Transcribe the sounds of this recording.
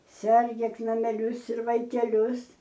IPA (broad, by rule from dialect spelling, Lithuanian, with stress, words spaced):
ˈsʲɛrʲɡʲeːk nɐmʲɛˈlʲʊs ɪr ʋɐɪkʲɛˈlʲʊs